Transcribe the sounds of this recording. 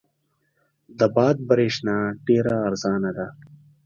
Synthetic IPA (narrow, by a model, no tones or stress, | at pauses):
d̪əbɑːd̪̚bɐɾeːʂnaːɖeːɾaːɾzɑːnad̪a